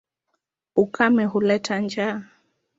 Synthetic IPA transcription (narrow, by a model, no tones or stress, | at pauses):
ukʰamɛɦulɛtʰand͡ʒa